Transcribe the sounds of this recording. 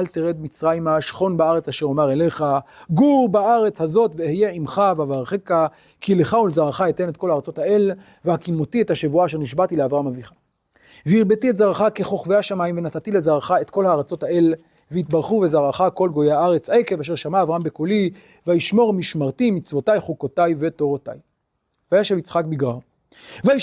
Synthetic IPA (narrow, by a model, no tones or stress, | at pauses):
alt̪eʁed̪mit͡sʁaimaʃχo̞nbaaʁet͡saʃeʁomaʁele̞χaɡuʁbaaʁe̞t͡shazo̞tvehejeimχavavaʁχeka | kileχaulzaʁaχaet̪enet̪ko̞lhaːʁat͡so̞t̪ae̞l | vehakimot̪iethaʃevuaːʃe̞ʁniʃbat̪ileavʁamaviχḁ | veiʁbetietzaʁaχake̞χo̞χvehaʃamaimvenatatilezaʁaχaetko̞lhaːʁat͡so̞tael | veitbaʁχuvezaʁaχako̞lɡo̞jeaaʁet͡sekevaːʃ̬eʁʃamaːvʁaambekoli | vajiʃmo̞ʁmiʃmaʁtimit͡svo̞tajχukotajveto̞ʁota̰j | vajaʃevit͡sχak̚biɡʁaʁ | vai